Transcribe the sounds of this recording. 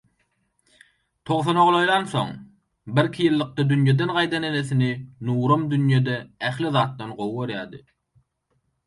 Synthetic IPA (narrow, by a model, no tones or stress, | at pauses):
t̪ʰo̞ʁθonoʁlˠojlˠɑnθo̞̰ŋ | biɾkʲʰijɯlˠːɯq̚t̪ɑd̪ynjed̪enʁɑjd̪ɑneneθininuːɾomd̪ynjed̪eæχliðɑːt̪̚ːɑnɢowoɾjɑːd̪ɯ̰